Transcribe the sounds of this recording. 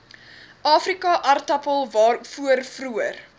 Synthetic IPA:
ʔɑːfrikɐʔɐrtɐpəlˠvɑːrfuərfruər

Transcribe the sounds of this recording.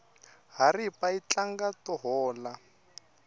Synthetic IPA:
ɦaripait͡ɬaŋɡatɔɦɔːla

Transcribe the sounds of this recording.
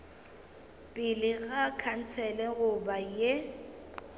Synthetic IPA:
pʼɪlɪɣakʰan̩t͡sʰɛlɛɣʊbaje

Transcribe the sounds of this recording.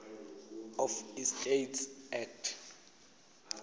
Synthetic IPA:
ɔfistʼejtsɛtʰ

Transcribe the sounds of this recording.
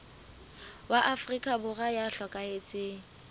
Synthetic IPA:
waʔafrikʼabʊɣajaɬwakʼaet͡sʼɪ

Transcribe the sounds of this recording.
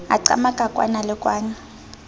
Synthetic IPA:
a̰ǀa̰makakʼwa̰nalɛkʼwaːɲa

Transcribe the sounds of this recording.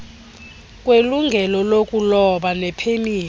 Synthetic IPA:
kʼweluŋɡʱɛlɔlokʼulɔɓanɛpʰeniː

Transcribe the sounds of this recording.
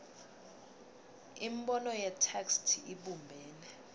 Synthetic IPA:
imɓɔnɔjɛtʰakstʰiiɓumbʱɛːnɛ

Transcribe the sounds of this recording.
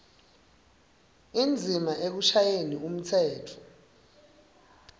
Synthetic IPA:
ind͡zʱimaʔek̬uʃajenium̩tʰɛːtʰɔ̥

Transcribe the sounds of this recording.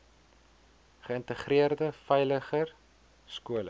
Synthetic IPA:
χəəntəχriərdəfɛjləχər | skuələ

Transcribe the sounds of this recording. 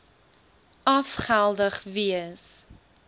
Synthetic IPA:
ɐfχælˠdəχviəs

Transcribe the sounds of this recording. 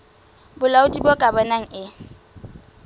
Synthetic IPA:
bʊlaʊtʼibɔkʼabanaŋ̩ʔɪ

